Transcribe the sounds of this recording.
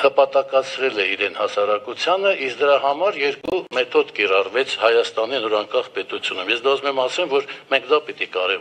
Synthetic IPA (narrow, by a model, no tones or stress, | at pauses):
həpɑt̪ɑkɑt͡sʰɾɛlɛiɾɛnhɑsɑɾɑkut͡sʰjɑnəʔiskd̪əɾɑɦɑmɑɾjɛɾkumɛt̪ʰɔd̪kirɑrvɛt͡sʰhɑjɑst̪ɑn̪inɔɾɑŋkɑχpɛt̪ut͡sʰjunumjɛsd̪ɔzmɛmɑsɛmvɔɾmɛŋkʰd̪ɑpit̪ikɑɾɛ